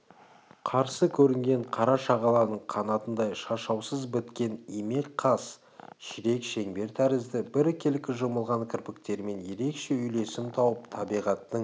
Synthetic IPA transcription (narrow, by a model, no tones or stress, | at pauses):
qʰɑɾsəkʲʰɵɾɪŋɡʲe̞ɴqʰɑɾɑʃɑʁɑlˠɑɾnəɴqʰɑnɑt̪ənd̪ɑjʃɑʃɑwsəzbɪt̪kʲe̞nime̞lqʰɑs | ʃɪɾe̞kʃe̞ŋbe̞ɾt̪ʰæɾɪzd̪ɪbɪɾkʲʰe̞lɪkʲːɪʒoməlˠʁɑnkʲʰɪɾpɪkt̪e̞ɾme̞nje̞ɾe̞kʃe̞ʏjle̞sɪmt̪ʰɑwəpt̪ʰɑbijʁɑt̪ːəɴ